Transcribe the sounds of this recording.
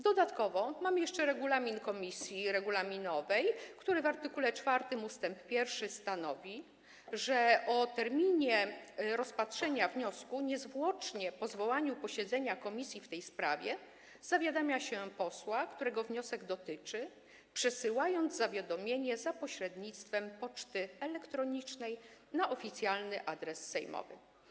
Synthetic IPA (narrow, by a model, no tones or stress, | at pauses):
d̪ɔd̪at̪kɔvɔmamɘjɛʂt͡ʂɛɾɛɡulamʲinkɔmʲisʲjiɾɛɡulamʲinɔvɛjkt̪uɾɘvaɾt̪ɘkulɛt͡ʂfaɾt̪ɘmust̪ɛmppʲjɛɾfʂɘst̪anɔvʲi | ʐɛɔt̪ɛɾmʲiɲɛɾɔspatʂɛɲavɲɔskuɲɛzvwɔt͡ʂɲɛpɔzvɔwaɲupɔɕɛd̪zɛɲakɔmʲisʲjift̪ɛjspɾa̰vʲjɛ | z̥avʲjad̪amʲjaɕɛpɔswakt̪uɾɛɡɔvɲɔsɛɡd̪ɔt̪ɘt͡ʂɘ | pʂɛsɘwajɔnd̪zzavʲjad̪ɔmʲjeɲɛzapɔɕɾɛd̪ɲit̪st̪fɛmpɔt͡ʂt̪ɘɛlɛkt̪ɾɔɲit͡ʂnɛjnaʔɔfʲit̪sʲjalnɘʔad̪ɾɛsːɛjmɔ̰vɘ̰